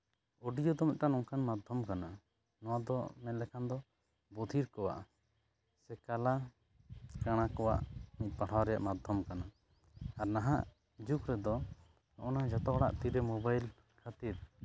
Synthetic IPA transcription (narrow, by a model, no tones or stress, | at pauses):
oɖijɔd̪ɔmit̪̚ˀtanɔŋkanmad̪ʱɔmkana | nɔwad̪ɔ̰mɛnlɛkʰand̪ɔ | bod̪ʱiɾkɔwa̰ʔ | sɛkala | kaɽ̃akɔwa̰ʔmit̪̚ˀpaɽ̤ʰawɾɛja̰ʔmad̪ʱɔmkana | aɾnaɦaʔ | d͡ʒukɾɛd̪ɔ | nɔʔɔnad͡ʒat̪ɔɽa̰ʔt̪iɾɛmɔbajl | kʰat̪iɾ